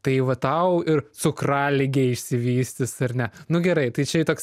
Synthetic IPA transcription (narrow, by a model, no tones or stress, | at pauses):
t̪ɐɪʋɐt̪ɐʊɪrt͡sʊkrɑːlʲɪɡʲeːɪʃʲsʲɪʋʲiːsʲt̪ʲɪsɐrnʲɛnʊɡʲɛɾɐɪt̪ɐɪt͡ʃʲɛt̪oːks